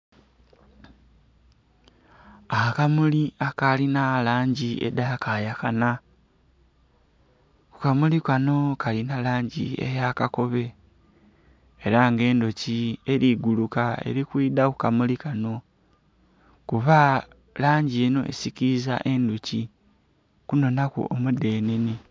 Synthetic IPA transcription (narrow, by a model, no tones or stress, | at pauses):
akamuliakalinalaːɲɟiḛd̪akaːjaxana | ku̥kamulikano̞kalinalaːɲɟiḛjakako̞βe̞ | ɾaŋɡe̞ːnd̪ocieɾiɡulukaḛɾikwiːd̪akukamulikano̞ | kuβa | laːɲɟieno̞̰ʔḛsikiza̰ʔe̞nd̪uci | kuno̞nakṵʔomude̞ːneni